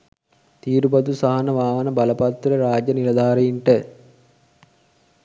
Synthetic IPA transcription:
t̪iːɾubɐd̪usaɦɐnɐʋaːʋɐnɐbɐlɐpɐt̪ːɾɐɾaːd͡ʒjɐniɾɐd̪ʱaːɾɐjiɳʈə

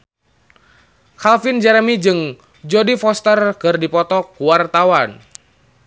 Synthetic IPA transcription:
kalfind͡ʒɛɾmid͡ʒɨŋ | d͡ʒɔdifɔst̪ərkɨrdipɔt̪ɔkuwart̪awan

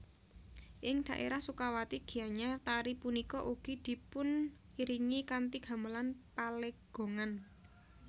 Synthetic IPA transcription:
ʔɪŋd̪̥ä̤ʔḛɾahsukawat̪iɡ̥i̤jaɲat̪aɾipunikɔʔuɡ̥i̤d̪̥i̤pʊn | iɾiŋikant̪iɡ̥a̤məlanpaleɡ̥o̤ŋan

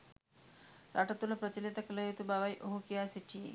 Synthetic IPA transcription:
ɾaʈɐt̪ulɐpɾɐt͡ʃilit̪ɐkilɐjet̪ubaʋɐjʔoɦukijaːsiʈʰijḛ

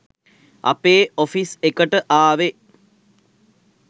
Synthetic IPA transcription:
ɐ̰peːofisekəʈəʔaːʋe

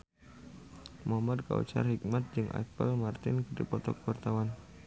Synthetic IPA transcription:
moamad̪̚ka̰ṵt͡ʃa̰rhik̚mat̪̚d͡ʒɨŋʔa̰pəlmart̪ɪnkədipɔt̪ɔkwart̪awan

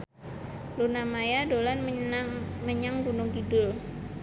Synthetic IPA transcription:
lunamajadolan | məɲaŋɡunʊŋkidʊl

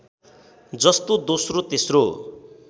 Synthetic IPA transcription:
d͡zʌst̪od̪osrot̪esro

